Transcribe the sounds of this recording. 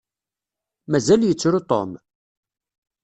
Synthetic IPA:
mæzæljət͡sːɾut̪ˤo̰m

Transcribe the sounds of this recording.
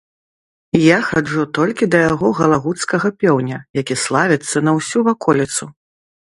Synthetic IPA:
jaxad͡ʐut̪ɔlʲkʲid̪ɐjaɣɔɣɐlˠaɣut̪skɐɣɐpʲɔwnʲɐjakʲislˠavʲit̪sːɐnɐwsʲuvakɔlʲit̪su

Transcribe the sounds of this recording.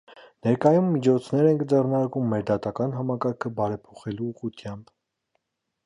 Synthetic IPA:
nɛɾkɑjumːit͡ʃʰɔt͡sʰnɛɾɛŋkd͡zɛrnɑɾkumːɛɾd̪ɑt̪ɑkɑnɦɑmɑkɑɾkʰəbɑɾɛpʰɔχɛluːʁut̪ʰjɑmb

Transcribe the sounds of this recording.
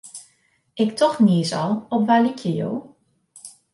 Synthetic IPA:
ɪktʰɔxniəsɑlˠɔpʋaːlykʰjəjo̰ː

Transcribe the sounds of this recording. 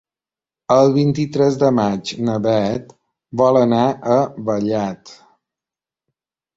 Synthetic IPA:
əlˠβint̪it̪ɾɛzd̪əmad͡ʒnəβɛt̪ | bɔlˠənaʔəβəʎat̪

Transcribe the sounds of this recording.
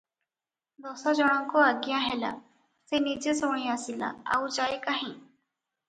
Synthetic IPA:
d̪ɔːsad͡ʒɔɽ̃ãŋkoaɡɪjãɦela̰ | senid͡ʒesoɽ̃ĩːasila̰a̰ũd͡ʒaːekaɦĩː

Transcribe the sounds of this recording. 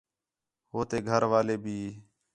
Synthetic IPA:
ɦoːt̪eːɡʱəɾʋaːleːbʱiː

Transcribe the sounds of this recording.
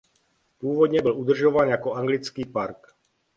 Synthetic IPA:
pʊuːʋɔd̪ɲɛbɔlud̪r̩ʒɔʋanjakɔaŋɡlit͡skiːpaɾk

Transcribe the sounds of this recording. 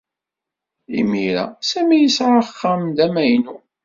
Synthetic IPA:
ḭmiɾæ̰sæmijisɾaχːamd̪æmæjnu

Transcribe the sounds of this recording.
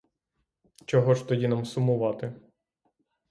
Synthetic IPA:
t͡ʃɔɦɔʃt̪ɔjinɐmsʊmʊʋɑt̪ɪ

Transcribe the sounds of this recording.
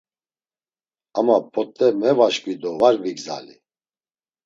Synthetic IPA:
amapʰɔt̪ʼːɛmɛvaʃkvid̪ɔvaɾviɡza̰li

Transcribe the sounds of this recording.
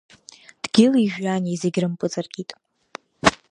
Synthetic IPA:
d̥ɡʲɪliʒᶣanizeɡʲrɨmpʼɨt͡sʼarɡʲitʼ

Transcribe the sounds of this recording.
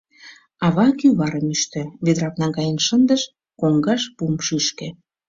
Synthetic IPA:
ɑβɑkyβɑɾəmyʃt̪ø̆βed̪ɾɑknɑɡɑjənʃənd̪ə̆ʃ | koŋɡɑʃpumʃyʃkĕ

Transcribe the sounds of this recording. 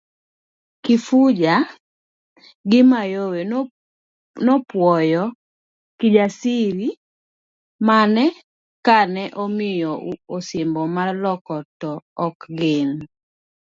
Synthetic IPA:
kɪfud͡ʒa | ɡɪmajowe | nɔpwɔjɔ | kɪd͡ʒasiɾi | manɛ | kanɛʔomɪjɔosɪmbɔmalɔkɔtɔːkɡɪn

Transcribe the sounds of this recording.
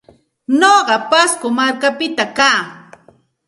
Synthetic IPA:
noɢɑpaskʊmaɾkapɪt̪akaː

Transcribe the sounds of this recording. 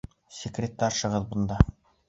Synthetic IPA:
sʲɪkrʲet̪ːɑʃɤ̆ʁɤðbŏnd̪ɑ

